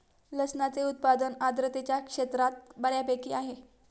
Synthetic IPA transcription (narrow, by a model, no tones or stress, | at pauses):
ləsnat͡seut̪̚pad̪ənad̪ɾət̪et͡ɕjakʂet̪ɾat̪̚bəɽjapekiaɦe